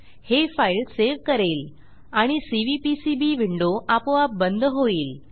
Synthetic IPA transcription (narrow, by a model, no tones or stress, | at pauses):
hefailseʋkəɾel | aɽ̃isiʋipisibiʋiɳɖoʔapoap̚bənd̪ʱɦoiːl